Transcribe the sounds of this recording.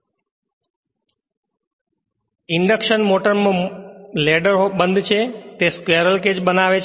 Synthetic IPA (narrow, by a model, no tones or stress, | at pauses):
ɪɳɖəkʃənmoʈəɾmõleɖəɾɦoɓə̃nd̪t͡ʃʰet̪eskʋeɾəlked͡ʒbənaʋe